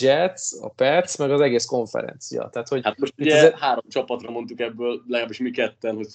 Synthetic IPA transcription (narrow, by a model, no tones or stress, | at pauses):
d͡ʒɛt̪sɒ̰pɛt̪smɛɡɒzɛɡeːsko̞ɱfɛ̰ɾɛ̰nt̪sijɒ̰t̪ɛɦːt̪ho̞ɟhat̪moʃt̪uiɟ̪ɛɛhaːɾo̞mt͡ʃɒpɒt̪rɒmo̞nt̪ukɛbːøːllɛɡaːbːiʃmikɛt̪ːɛnhoc